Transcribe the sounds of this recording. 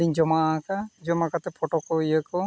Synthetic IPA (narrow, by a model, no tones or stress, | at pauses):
liɲd͡ʒɔmakad͡ʒɔmakat̪ɛpʰɔʈɔkojekɔ